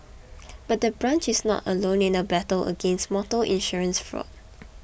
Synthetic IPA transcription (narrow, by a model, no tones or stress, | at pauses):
b̥at̚dəbɹãnt͡ʃɪsnɔ̰tə̰lõnĩnəbɛtələ̰ɡẽnstmɔtəlʔḭ̃nʃɔɹə̃nsfɹɔ̰t̚